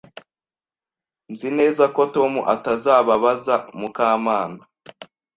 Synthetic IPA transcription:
nzineːzakoto̞mṵʔatazaːβaβazamukaːmaːna

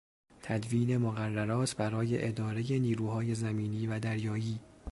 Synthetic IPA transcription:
t̪ʰæd̪viːne̞moɣærːæɾɒːt̪ʰbæɾɒːje̞ʔed̪ɒːɾe̞je̞niːɾuːɦɒːje̞zæmiːniːvæd̪æɾjɒːjiː

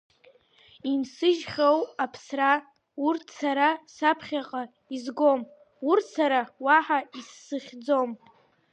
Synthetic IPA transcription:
imsɨʒχʲawapʰsra | urtʰsaɾasapʰχʲaqʼa | izɡom | urtsaɾawaħaisːɨχʲd͡zom

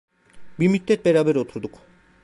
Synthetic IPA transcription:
bimit̪ːet̪̚beɾabeɾot̪ʰɾod̪uk

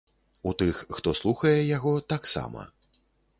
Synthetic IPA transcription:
ut̪ɨxːt̪ɔslˠuxɐjɛjaɣɔt̪aksa̰mɐ̰

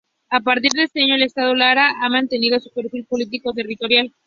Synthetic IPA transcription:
apaɾt̪̬iɾðee̞st̪e̞aɲo̞ele̞st̪að̞o̞laɾaʔamãnt̪e̞nið̞o̞supe̞ɾfilpo̞lit̪̬iko̞t̪̬e̞rit̪o̞ɾjal

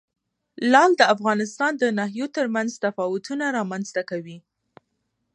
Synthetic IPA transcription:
lɑld̪əafɣɑnɪst̪ɑnd̪ənaɦjot̪əɾmanzt̪afɑwʊt̪unaɾɑmanz̥t̪akawi

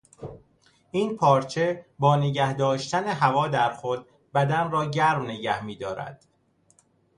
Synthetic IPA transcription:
ʔiːnpʰɒːɾt͡ʃʰe̞bɒːneɟæhd̪ɒːʃt̪æneɦævɒːd̪æɾxod̪̚ | bæd̪ænrɒːɟæɾmneɟæhmiːd̪ɒːɾæ̰d̪̥

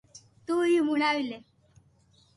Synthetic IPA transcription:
t̪uimuɽ̃aʋile

